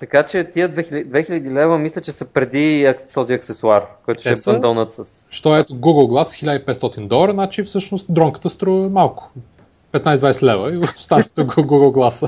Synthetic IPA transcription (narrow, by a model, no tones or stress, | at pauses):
t̪ɐkat͡ʃɛt̪iəd̪vɛxild̪vɛxiʎʲɐd̪ilɛvəmislʲət͡ʃɛsəpɾɛd̪iɐt̪ɔziɐksɛsuarkɔjt̪ʊʃɛɛɐnd̪ɔnət̪səsʃt̪ɔɛt̪oɡuɡəlˠɡlˠasxilʲad̪əipɛt̪st̪ɔt̪ind̪ɔlˠəɾənat͡ʃifsɤʃnost̪̚d̪ɾɔŋkə̥t̪əst̪ɾuɛmalˠkʊ̥ | pɛt̪najsd̪vajsɛt̪lɛvəivəfst̪aʃit̪oɡɡuɡəlˠɡlˠasə